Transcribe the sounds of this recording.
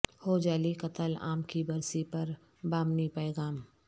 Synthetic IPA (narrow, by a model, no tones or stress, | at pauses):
hoːd͡ʒaːlikɐt̪əla̰ːmkibɐɾsipɐɾ | baːmnipɛːɣaːm